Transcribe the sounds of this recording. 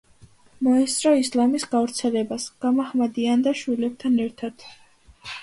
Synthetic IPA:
mɔɛst̪sʼɾɔislamisɡavɾt̪sʰɛlɛbasɡ̥amahmad̪iand̪aʃwilɛb̚t̪ʰanɛɾt̪ʰad̪̥

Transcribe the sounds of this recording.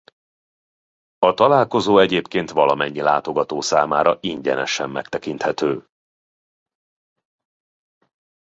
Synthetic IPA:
ɒt̪ɒlaːlko̞zoːɛɟeːpkeːnt̪ʋɒlɒmɛɲːila̰ːt̪o̞ɡɒt̪oːsaːma̰ːɾɒʔiɲɟɛ̰nɛ̰ʃɛmːɛ̰kt̪ɛkint̪hɛt̪øː

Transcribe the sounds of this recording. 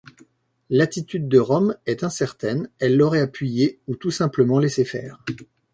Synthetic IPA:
lat̪it̪yd̪ːəʁɔmɛt̪ɛ̃sɛʁt̪ɛnɛlːɔʁɛapɥijeut̪usɛ̃pləmɑ̃lesefɛ̰ːʁ

